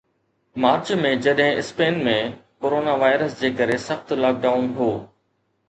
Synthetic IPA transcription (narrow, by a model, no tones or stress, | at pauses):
maːɾt͡ɕmẽd͡ʑɐɗɦɪ̃ʔɪspeːnmẽkoːɾoːnaʋaːɪɾəsd͡ʑeːkɐɾesɐxt̪laːk̚ɖaːʊnɦoː